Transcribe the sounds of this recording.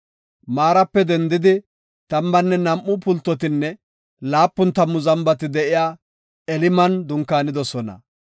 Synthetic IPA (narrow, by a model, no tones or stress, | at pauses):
maːɾɐpːɛd̪ɛnd̪ɪd̪ɪ | t̪ɐmbɐnːɛnɐmʔːʊpʊlt̪ːɔt̪̬ɪnːɛ | laːpːʊnt̪ɐmːʊzɐmbɐt̪ɪd̪ɛʔɪjaː | ɛlɪmɐnd̪ʊŋkːaːnɪd̪ɔsɔnɐ̰